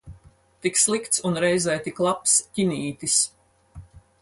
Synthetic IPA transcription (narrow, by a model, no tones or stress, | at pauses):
t̪ikslˠikt̪sunɾɛjzɛjt̪iklˠapscinʲiːt̪is